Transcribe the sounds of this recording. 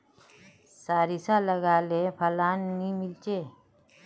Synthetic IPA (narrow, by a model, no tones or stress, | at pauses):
saːɾisaːləɡaːleːpʰəlaːnːiːmɪlt͡ʃeː